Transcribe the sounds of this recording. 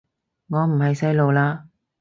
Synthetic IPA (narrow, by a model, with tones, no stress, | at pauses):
ŋɔː˨˧m̩˨˩hɐ˨jsɐ˥jlo˨wlaː˧